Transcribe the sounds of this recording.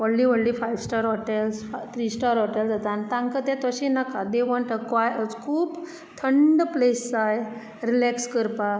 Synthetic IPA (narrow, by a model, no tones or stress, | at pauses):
ɔɽlĩʋɔɽlifajʋsʈaɾɦɔʈelst̪ʰɾiːsʈaɾɦɔʈelsat̪ãnt̪ãŋkət̪ɛ̃t̪əɕĩnakad̪eʋɔ̃ɳʈəkʋajəd͡zkʰuːp | t̪ʰəɳɖplesːaj | ɾilɛkskəɾpa